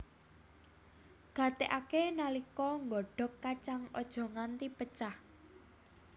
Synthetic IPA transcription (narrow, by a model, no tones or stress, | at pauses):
ɡ̥ä̤t̪eʔakenalikɔŋɡɔɖ̥ɔ̤k̚kat͡ʃaŋɔ̰d̥ʒ̥ɔ̤ŋant̪ipət͡ʃah